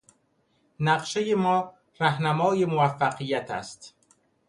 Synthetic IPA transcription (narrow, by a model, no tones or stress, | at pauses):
næɢʃejemɒː | ræhnæmɒːje̞movæfːæqijːæt̪ʰæ̰st̪